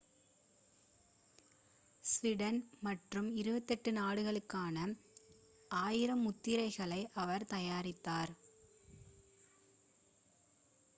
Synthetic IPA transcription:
sʋɪɽɐnmɐʈrɯmɪɾɯbɐt̪ːɛʈːɯnaːɽɯɣɐɭɯkːaːnɐ | ʔaːjɪɾɐmʊt̪ːɪɾɐɪɣɐɭɐɪʔɐʋɐɾt̪ɐjaːɾɪt̪ːaːɾ

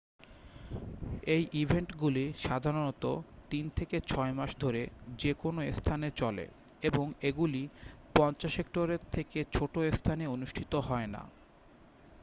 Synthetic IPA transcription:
ejʔibʱeɳʈɡuliʃad̪ʱaɾonɔt̪ot̪int̪ʰeket͡ɕʰɔemaʃd̪ʱoɾed͡ʑekonoest̪ʰanet͡ɕɔlḛ | eboŋeɡulipɔnt͡ɕaʃekʈoɾeɾt̪ʰːeket͡ɕʰoʈoest̪ʰaneonuʃʈʰit̪oɦɔena̰

